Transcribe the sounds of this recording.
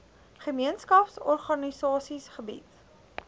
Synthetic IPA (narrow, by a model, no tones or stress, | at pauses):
χəmiənskɐpsɔrχɐnisɑːsisχəbḭt